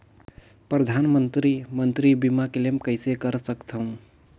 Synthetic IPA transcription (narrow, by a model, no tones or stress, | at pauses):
pɾəd̪ʱaːnmənt̪ɾimənt̪ɾibimakelemkəɪsekəɾsəkt̪ʰəɦũ